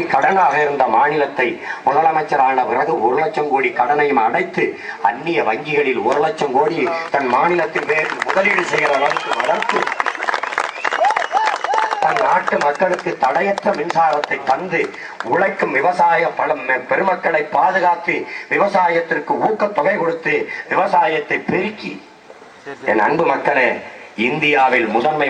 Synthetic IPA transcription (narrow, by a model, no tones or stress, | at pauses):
ikːɐɽɐnaːɣɐɪɾɯnd̪ɐmaːnɪlɐt̪ːɐɪmʊðɐlɐmɐɪt͡ʃːɐɾaːnɐpɪrɐɣɯʊɾɯɭɐt͡ʃːɐmkoːɽikɐɽɐnɐjɯmɐnɐɪt̪ːɯ | ɐ̰nːɪjɐʋɐŋɡɪɣɐɭɪlʊɾɯlɐt͡ʃːɐmkoːɽit̪ɐnmaːnɪlɐt̪ːɪlʋeːɾɯmmʊðɐlɪɽɯsɛjɐɾɐlɐnk̪ːɯʋɐlɐɾt̪ɯ | t̪ɐnnaːʈːɯmɐkːɐɭɯkːɯt̪ːɐɽɐjɐt̪ːɐʋɪnsaːɾɐt̪ːɐɪt̪ːɐnd̪ɯ | ʊɻɐɪkːɯmʋɪʋɐsaːjɐmpɐlɐmpɛɾɯmɐkːɐɭɐɪpːaːðɯɣaːt̪ːɯʋɪʋɐsaːjɐt̪ːɪrkɯuːkːɐt̪ːɔɣɐɪkɔɽɯt̪ːɯʋɪʋɐsaːjɐt̪ːɐɪpːɪɾɪkːḭ | ɛnɐ̰ɳbɯmɐkːɐɭɐɪnd̪ɪjaːʋɪlmʊðɐnmɐɪ